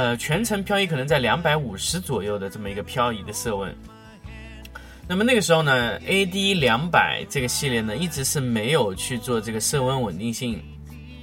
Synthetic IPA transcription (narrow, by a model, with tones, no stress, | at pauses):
ə˧t͡ɕʰɥɛ˧˥nʈ͡ʂʰɤ˧˥ŋpʰjɑ˥˧ʊi˥˩kʰɤ˨˩nə˧˥ŋt͡sa˥˩ɪljɑ˧˥ŋpa˧˥ɪu˨˩ʂɻ̩˧˥t͡swɔ˨˩jo˥˩ʊd̪ə˩ʈ͡ʂɤ˥˩mə˩i˧˥ɡə˧pʰjɑ˥˧ʊi˥˩d̪ə˧sɤ˥˧wə̰˥˩n | na˥˩mə˩na˥˩ɡə˩ʂɻ̩˧˥xo˥˧ʊnə˩e˥ɪd̪i˥ljɑ˧˥ŋpa˨˩ɪʈ͡ʂɤ˥˩ɡə˩ɕi˥˧ljɛ˥˩nə˩i˥˩ʈ͡ʂɻ̩˧˥ʂɻ̩˥˩me˧˥ɪjo˨˩ʊt͡ɕʰy˥˧t͡swɔ˥˧ʈ͡ʂɤ˥˩ɡə˩sɤ˥˧wə˥˧nwə˨˩nt̪i˥˧ŋɕi˥˩ŋ